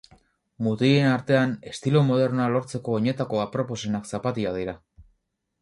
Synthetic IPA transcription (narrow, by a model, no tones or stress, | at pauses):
mut̪ie̞naɾt̪e̞ane̞st̪ilomo̞ð̞e̞ɾnoalo̞ɾt͡se̞ko̞ːɲe̞t̪ako̞apɾo̞po̞senaksapat̪iað̞iɾa